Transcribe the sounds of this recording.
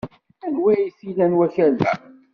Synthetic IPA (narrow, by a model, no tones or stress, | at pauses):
ænwæjiθilænwæçæɾlæ̰